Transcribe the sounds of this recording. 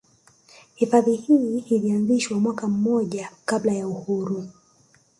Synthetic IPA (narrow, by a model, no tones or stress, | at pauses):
hifaðihihilianziʃwamwakam̩mɔʄakablajauhuɾu